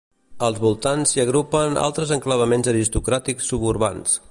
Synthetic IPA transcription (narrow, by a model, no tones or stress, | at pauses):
əlˠzβulˠt̪ansiəɣ̞ɾupəna̰lˠt̪ɾəzəŋkləβəmenzəɾist̪ukɾat̪iksːuβuɾβa̰ns